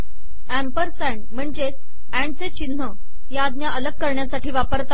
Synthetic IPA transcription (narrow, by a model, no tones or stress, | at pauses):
æmpəɾsæɳɖm̤əɳd͡ze | æ̃ɳɖt͡set͡ɕinːə | jaːd̪njaʔələɡ̚kəɾɳjasaʈiːʋapəɾt̪a